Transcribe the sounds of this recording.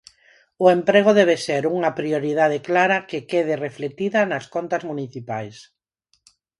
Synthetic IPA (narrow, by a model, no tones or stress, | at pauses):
ʊempɾeɣ̞ʊðɛβ̞eseɾuŋɐpɾioɾiðað̞eklaɾɐkɪkeð̞ɪreflet̪iðɐnɐskont̪ɐzmuniθipajs